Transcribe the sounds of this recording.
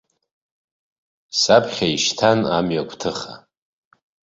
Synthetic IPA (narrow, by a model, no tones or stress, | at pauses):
sapʰχʲaiʃtʰana̰mɥakʷʰʼtʰɨχa